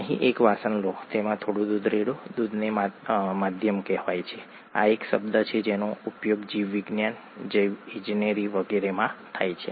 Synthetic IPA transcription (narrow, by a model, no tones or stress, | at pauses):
əɦḭ̃ʔekʋasənlot̪emãt̪ʰoɽũd̪ud̪ʱɾeɽod̪ud̪ʱnemamad̪ʱjəmkɛɦʋajt͡ʃʰe | a̰ekʃə̰bd̪ət͡ʃʰed͡ʒenoupjoɡd͡ʒiʋːiɡnjan | d͡ʒəjʋĩd͡ʒineɾiʋəɡɛɾemãt̪ʰajt͡ʃʰe